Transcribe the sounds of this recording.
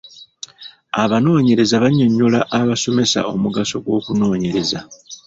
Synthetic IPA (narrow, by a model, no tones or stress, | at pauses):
aβano̞ːɲe̞ɾe̞zaβaɲoɲːolaʔːβaso̞me̞sa̰o̞muɡaso̞ɡwo̞ːkuno̞ːɲe̞ɾe̞za